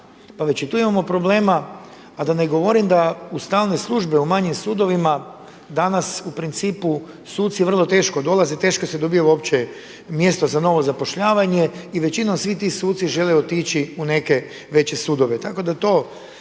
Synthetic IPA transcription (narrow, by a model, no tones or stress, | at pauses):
paʋet͡ɕit̪uːimamo̞pɾo̞ble̞ːmaː | d̪aneɡo̞ʋo̞ɾimd̪aust̪aːlˠne̞slˠuʒbeumaɲimsuːd̪o̞ʋima | d̪anasupɾint̪siːpu | suːt̪sijer̩lˠo̞t̪e̞ːʃko̞d̪o̞lˠazet̪e̞ːʃkosed̪o̞bijeuopt͡ɕe | mje̞st̪ozano̞ʋo̞zapo̞ʃʎaːʋaɲe̞iʋe̞t͡ɕinomsʋit̪iːsuːt̪siʒe̞leot̪iːt͡ʃiune̞ke̞ | ʋe̞t͡ɕe̞sud̪o̞ʋe̞t̪ako̞d̪at̪o̞ː